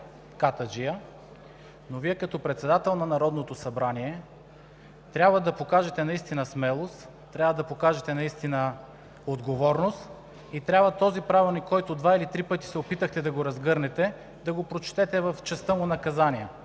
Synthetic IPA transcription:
kat̪əd͡ʒijə | noviɛkɐt̪ɔpɾɛt̪sɛd̪at̪ɛlˠnɐnɐɾɔd̪not̪osɐbɾaniɛ | t̪ɾʲabvəd̪ɐpokaʒɛt̪ɛnɐist̪inɐsmɛlˠost̪ | t̪ːɾʲabvəd̪ɐpokaʒɛt̪ɛnɐist̪inə | od̪ɡovɔɾnost̪ | it̪ɾʲjabvət̪ɔzipɾavilˠnikːɔjt̪od̪vailit̪ɾipɤt̪i̥sɛopit̪əxt̪ɛd̪ɐɡoɾɐzɡɤɾnɛt̪ɛ | d̪ɐɡopɾot͡ʃt̪ɛt̪ɛvəft͡ʃɛst̪əmʊnɐkɐzaniə

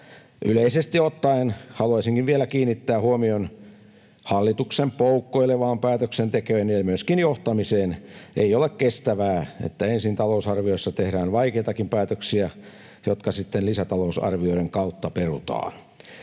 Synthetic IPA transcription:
ʔyleisest̪iot̪ːɑenhɑluɑisiŋkiʋʋielækiːnːit̪ːæːhuomion | hɑlːit̪uksempoukːoilːeʋɑːmpæːt̪øksent̪ekøenjɑmyøskinjoht̪ɑmiseːnʔeiolekkest̪æʋæːḛt̪ːæensint̪ɑlousɑrʋioisːɑt̪ehɾæːnʋɑikeit̪ɑkimpæːt̪øksiæ | jot̪kɑsit̪ːenlisæt̪ɑlousɑ̰rʋioiɾeŋkɑut̪ːɑperut̪ɑ̰ːn

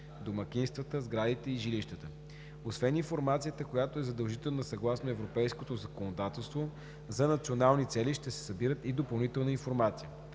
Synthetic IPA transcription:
d̪omɐk̟ʲinst̪vət̪əzɡɾad̪it̪ɛiʒiliʃt̪ət̪ə | osvɛninfoɾmat̪siət̪əkojat̪oɛzɐd̪ɐlˠʒit̪ɛlˠnəsɐɡlˠasnoɛvɾopɛjskot̪ozɐkonod̪at̪ɛlˠst̪vo | zɐnɐt̪sionalˠnit̪sɛliʃt̪ɛsɛ̥sɐbiɾət̪id̪opɐlˠnit̪ɛlˠnəinfoɾmat̪sijə

